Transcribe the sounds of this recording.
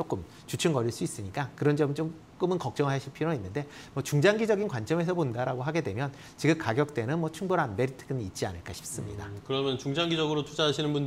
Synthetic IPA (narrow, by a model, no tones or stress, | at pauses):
t͡ɕok͈ɯm | t͡ɕut͡ɕʰunɡʌɾiɭs͈uis͈ɯɲik͈akɯɾʌnd͡ʑʌmɯt͡ɕom | k͈ɯmɯnkʌk̚t͡ɕ͈ʌŋɭɦaɕʰipʰiɾoinːɯnde̞mwʌt͡ɕuŋd͡ʑaŋɡid͡ʑʌɡinkwant͡ɕ͈ʌme̞sʰʌpondaɾaɡoɦaɡe̞dwe̞mjʌn | t͡ɕiɡɯmkaɡjʌk̚t͈e̞nɯnmwʌt͡ɕʰuŋboɾanme̞ɾitʰɯ̥ɡɯniit̚t͡ɕ͈ia̰nɯɭk͈aɕʰi̥p̚s͈ɯmɲidakɯɾʌmjʌnt͡ɕuŋd͡ʑaŋɡid͡ʑʌɡɯɾotʰud͡ʑaaɕʰinɯnbun